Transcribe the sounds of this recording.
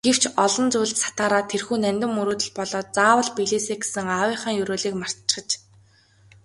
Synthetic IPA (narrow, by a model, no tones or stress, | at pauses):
ɡ̥ew̥t͡ɕʰɔɮɞ̆nt͡sujɮt̪sḁt̪aːɾaːt̪ʰerxuːnænʲt̪ɘ̆mːuɾuːt̪ɵ̆ɮpɔɮɔːt͡saːwə̆ɮpiɮeːseːɡe̥sɘ̆ŋawiːχə̆ːŋjɵɾoːɮiːkmar̥t̪t͡ɕχə̆t͡ɕ